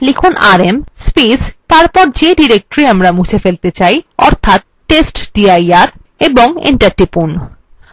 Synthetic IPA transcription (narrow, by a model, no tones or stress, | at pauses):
likʰunaɾemspist̪aɾpɔɾd͡ʑeɖiɾek̚ʈoɾiamɾamut͡ɕʰefelt̪et͡ɕajɔ̰ɾt̪ʰat̪̚ | ʈesʈɖiajaɾ | eboŋḭɳʈaɾʈipun